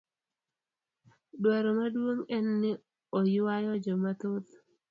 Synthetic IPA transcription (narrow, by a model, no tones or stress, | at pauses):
ɗwaɾomaduoŋɛnːɪ | ojiwajod͡ʒomat̪ot̪